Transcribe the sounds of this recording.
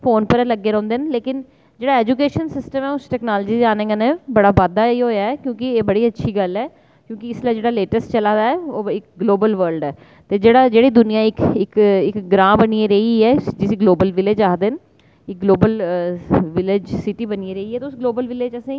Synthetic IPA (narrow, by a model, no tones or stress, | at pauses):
fʰoːnpəɾləɡːeːɾɛ̃ːnd̪eːnleːkɪn | d͡ʒeːɽaːɛːd͡ʒukeːʃənsɪsʈəmɛːʊsʈɛːknaːld͡ʒiːd̪eaːnẽːɡanebəɽaːʋaːd̪aːiːɦoːjaːɛːkjõːkɪeːbəɽiːətːʃʰiːɡəlɛː | kjõːkɪɪslaːd͡ʒeːɽaːleːʈəsʈt͡ʃəlaːd̪aːɛːoːɪkɡloːbəlʋəɾlɖɛː | t̪eːd͡ʒeːɽaːd͡ʒeːɽiːd̪ʊnijãːɪkɪkɪkɡɾãːbəniẽɾəiɛːd͡ʒɪsiːɡloːbəlʋɪleːd͡ʒaːd̪ɪn | ɪk̚ɡloːbəl | ʋɪled͡ʒsɪʈiːbənieːɾəiːɛːt̪eʊsɡloːbəlʋɪleːd͡ʒəsẽː